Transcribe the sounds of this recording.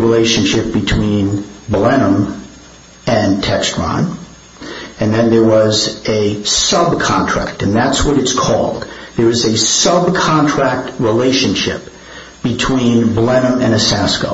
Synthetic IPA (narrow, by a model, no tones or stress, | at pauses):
ɹileɪʃɨ̃nʃɪp̚b̥ɨtʰw̥ĩnblɛnə̃m | ɨ̃ntʰɛkstɹ̥ɑ̰̃n | ɨ̃nðɨ̃nðə˞wʌzɨsʌb̚kʰɑ̃ntʰɹ̥æ̰k̚tɨ̃nðætswʌɾɨtskʰɔ̰lˠd̪̚ðə˞ʌzɨsʌb̚kʰɑ̃ntʰɹ̥æk̚t̚ɹileɪʃɨ̃nʃɪ̰p̚ | b̥ɨtʰw̥ĩnblɛnə̃mɨ̃ñɨsæsko̰ʊ